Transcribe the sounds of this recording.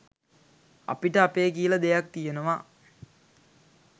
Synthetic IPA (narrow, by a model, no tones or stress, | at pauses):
a̰piʈəapeːkijələd̪ejak̚t̪ijenəʋa